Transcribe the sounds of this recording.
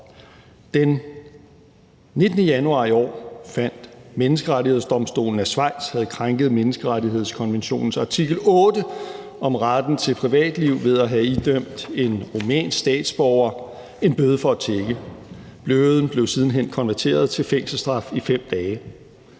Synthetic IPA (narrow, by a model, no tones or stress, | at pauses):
d̥en | e̝d̥ənəjænuɑ̈ːiɒ̰ːfæn̰d̥menəsɡ̥əʁaɾihe̝ð̞̰ˠsd̥ɒ̽msd̥o̝̰ːln̩æsʋɑ̈ɪ̰d̥shæð̞ˠkʰʁaŋɡ̥ð̞̩ˠmenəsɡ̥əʁaɾiɦe̝ð̞̰ˠskʰɒ̽nʋenɕo̝̰ːn̩sɑ̈t͡sʰiɡ̥l̩ɔ̽ːdə | ɒ̽mʁad̥n̩t͡sʰe̝pʰʁiʋɛ̰ːd̥liʊ̰ʋe̝ð̞ˠæɦæid̥øm̰bd̥e̝nʁomɛ̰ːnsd̥ɛ̰ːd̥sb̥ɒʊɐ | e̝nb̥øːð̞ˠəfɒ̽æt͡sʰeɡ̥ə | b̥løðˠn̩b̥le̝ʊsið̞ˠn̩ɦen̰kʰɒ̽nʋæɐt͡sʰe̝̰ːɐðˠt͡sʰe̝lfeŋ̰sl̩sd̥ʁɑ̈fifem̰d̥ɛː